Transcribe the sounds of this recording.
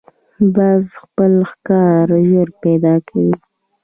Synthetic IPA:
bɑzxpəlxkɑɾʒoɾpɛd̪ɑkʰawi

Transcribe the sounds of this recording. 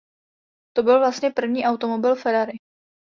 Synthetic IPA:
t̪o̞bɪlvlast̪ɲɛpr̩vɲiːʔawt̪o̞mo̞bɪlfɛɾaɾɪ

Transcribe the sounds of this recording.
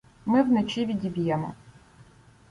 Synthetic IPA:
mɪwnet͡ʃiʋʲid̪ʲibʲijɛmɔ̰

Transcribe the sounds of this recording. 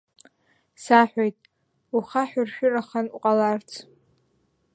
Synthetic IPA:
saħʷᶣojtʼ | uχaħᶣʊrʃᶣʊraχanuqʼalart͡sʰ

